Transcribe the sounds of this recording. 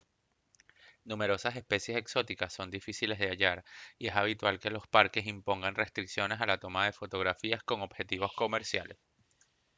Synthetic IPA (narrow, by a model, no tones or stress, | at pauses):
nume̞ɾo̞sase̞spe̞sje̞se̞kso̞t̪ikasːo̞nd̪ifisile̞zðe̞aʝaɾie̞saβ̞it̪walke̞lo̞spaɾke̞simpo̞ŋɡanre̞st̪ɾiksjo̞ne̞salat̪o̞maðe̞fo̞t̪o̞ɣɾafiasko̞ŋo̞bxe̞t̪iβo̞sko̞me̞ɾsjale̞s